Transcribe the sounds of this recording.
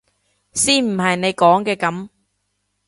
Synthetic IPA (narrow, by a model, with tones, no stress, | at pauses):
siː˥nm̩˨˩hɐ˨jne˨˧jkɔː˨˥ŋkɛː˧kɐ˨˥m